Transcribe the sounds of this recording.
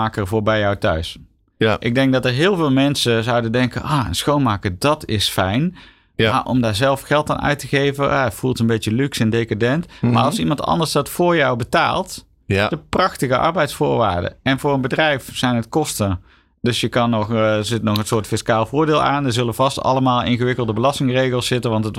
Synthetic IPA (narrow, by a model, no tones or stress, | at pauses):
aːkərvʊːɹbɛjɔwtœɥs | ʔɪɡ̚dɛŋɡ̚dɑtəɹɦɪːlˠvɪːlˠmɛnsəzɑwdəndɛŋkə̰nʔɔːə̰nsxownmaːkəɹdɑtɪsfɛjn | aʔɔ̰mdaːɹzɛlˠfxɛlˠta̰ːnʔœ̰ɥtəɣejvəafulˠtənbejəlyksɛndejkadɛntmaːɹɑlˠsimɑntɑ̰ndəɹsdɑtfʊːɹjɑwbəta̰ːlˠt | d̥əprɑχtəɣəʔɑ̰ɹbɛjtsfʊːɹʋa̰ːɹdə̰ɛnvʊːɹənbədrɛjfsɛjnɦətkɔstə | d̥ɵsjəkɑnːɔχzɪtnɔχənsʊːɹtfɪskaːlˠvʊːɹdɪːlˠa̰ːndəɹzɵləvɑstɑ̰ləmaːlˠɪ̰nɣəʋɪkəlˠdəbəlɑstɪŋrejɣəlˠsːɪtənʋɑntət